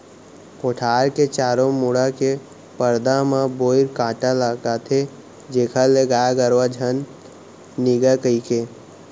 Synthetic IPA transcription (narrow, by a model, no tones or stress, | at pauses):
koːʈʰaːɾket͡ʃaːɾomuɽake | pəɾd̪amãboːɪɾkãːʈalakat̪ʰe | d͡ʒeːkʰaleɡaːaɡəɾʋad͡ʒʱənː | iɡakəikeː